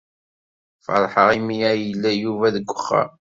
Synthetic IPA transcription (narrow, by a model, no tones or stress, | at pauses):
fə̰ɾˤħəʁimijæjəlːæjuvæðəɡʷːəχːæ̰